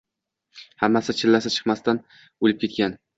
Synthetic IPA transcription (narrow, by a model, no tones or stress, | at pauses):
hamːasɪt͡ʃʰɪlːasɪt͡ʃʰɨ̥qmast̪an | olɪp̚kʲʰe̞t̪̚kʲan